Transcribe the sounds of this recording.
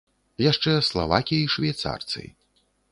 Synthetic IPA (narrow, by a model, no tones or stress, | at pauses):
jaʂt͡ʂɛslˠavakʲijɐjʂvʲajt̪sa̰rt̪sɨ̰j